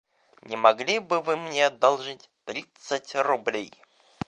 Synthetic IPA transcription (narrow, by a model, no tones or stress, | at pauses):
nʲɪmɐɡlʲibɨvɨmnʲed̪ɐlˠʐɨtʲt̪ɾʲit̪sətʲrʊblʲej